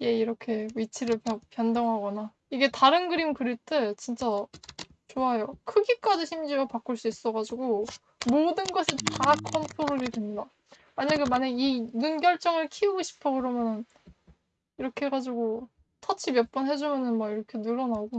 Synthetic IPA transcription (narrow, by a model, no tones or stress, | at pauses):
je̞iɾʌkʰe̞ɥit͡ɕʰiɾɯɭpʌpjʌndʌŋɦaɡʌna | iɡe̞taɾɯnɡɯɾimkɯɾit͈et͡ɕint͡ɕ͈a | t͡ɕoajokʰɯɡik͈ad͡ʑiɕʰimd͡ʑiapak͈ɯɭs͈uis͈ʌɣad͡ʑuɡo | modɯnɡʌsʰitakʰʌntʰoɾoɾidwemɲida | maɲaɡemaɲaɡinunɡjʌɭt͡ɕ͈ʌŋɯɭkʰiuɡoɕʰi̥pʰʌɡɯɾʌmjʌnɯn | iɾʌkʰe̞ɡad͡ʑiɡo | tʰʌt͡ɕʰibjʌp̚p͈ʌnɦe̞d͡ʑumjʌnɯnmaiɾʌkʰe̞nɯɾʌnaɡo